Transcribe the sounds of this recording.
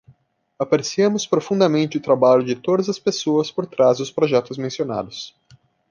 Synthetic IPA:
apaɾesiɐ̃mʊspɾofũnd̪ɐmẽnt͡ʃɪʊt̪ɾabaʎʊd͡ʒɪt̪od̪ɐzɐspesoɐspoɾt̪ɾazd̪ʊspɾoʒɛt̪ʊzmẽsiona̰d̪ʊs

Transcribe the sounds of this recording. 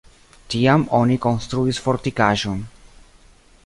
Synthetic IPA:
tiamo̞niko̞nst̪ɾuisfo̞ɾtikaʒo̞n

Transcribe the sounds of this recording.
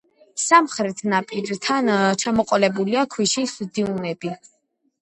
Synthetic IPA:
samχɾɛt̪ʰnapʰʼid͡ʒt̪ʰant͡ʃʰamɔqʼɔlɛbuliakʰwiʃisd̪iunɛbi

